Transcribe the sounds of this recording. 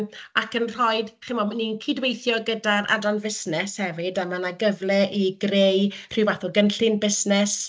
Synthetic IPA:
akənr̥ɔɨdχɪmɔmaninkʰidwejθjɔɡədaɾa̰dɔnvɪsnɛshɛvɪdamanaɡəvlɛʔiɡrejr̥ɨwvaθɔɡənɬɨnbɪsnɛs

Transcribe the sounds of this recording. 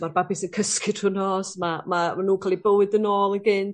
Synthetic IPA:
marbabɨsənkʰəskʰɪd̥hʊnɔsmamamanuːkʰalˠibəwɨdənoːlˠiɡɪnd

